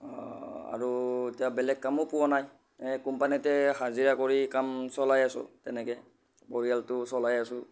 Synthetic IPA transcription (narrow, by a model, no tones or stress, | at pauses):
ɔa̰ɹutijabɛlɛɡ̚kamʊpʊwanaj | kumpanitɛhaziɹakoɹikamsɔlajasʊ̰tɛnɛkɛ | bɔɹijaltʊsɔlajasʊ